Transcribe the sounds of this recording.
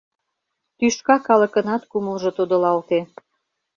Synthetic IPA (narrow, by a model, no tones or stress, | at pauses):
t̪yʃkɑkɑlə̆kə̆nɑt̪kuməlʒɤ̆t̪od̪ə̆lɑlt̪e